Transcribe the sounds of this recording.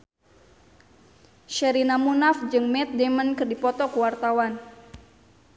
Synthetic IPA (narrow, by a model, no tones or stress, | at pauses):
ʃɛɾinamunafd͡ʒɨŋmɛt̪̚dɛmənkɨrdipɔt̪ɔkuwart̪awan